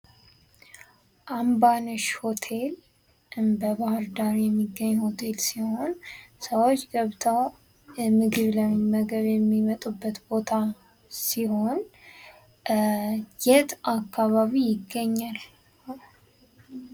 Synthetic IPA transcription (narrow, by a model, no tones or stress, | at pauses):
ʔambanɨʃho̞t̪ʰe̞l | ʔɨmbəbahɨɾd̪aɾjɛmːiɡːəɲːho̞t̪ʰe̞lsiho̞nsəwot͡ʃːɡəβt̪ʰaw | mɨɡɨβləmməɡəβjɛmːimət̪ʼubːət̪bo̞t̪ʰa | siho̞n | jɛt̪ʰakʰːaβaβijɪɡːəɲːal